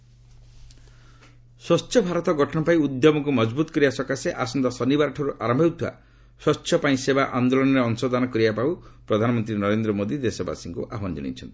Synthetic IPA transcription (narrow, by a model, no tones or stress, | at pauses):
sɔst͡ʃʰjɔbʱaɾɔt̪ɔɡɔʈʰɔɳɔpaiud̪jɔmɔkumɔd͡ʒbut̪ɔ̥kɔɾibasɔkaseʔasɔnd̪ɔsɔnibaɾʈʰɔɾuʔaɾɔmbʱewt̪ʰiwa̰ | swɔst͡ʃʃʰjɔpaĩsebaʔand̪olɔnɔɾeɔnsɔd̪anɔkɔɾibapawpɾɔd̪ʱanɔmɔnt̪ɾinɔɾend̪ɾɔmod̪id̪esɔba̰siŋkuʔaɦɔnd͡ʒɔ̰ɽ̃ḭt͡ʃʰɔnt̪i̥